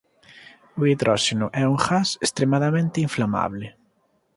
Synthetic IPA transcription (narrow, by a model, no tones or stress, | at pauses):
ʊiðɾɔʃenʊʔɛuŋxasest̪ɾemaðamẽnt̪ɪiɱflama̰βlɪ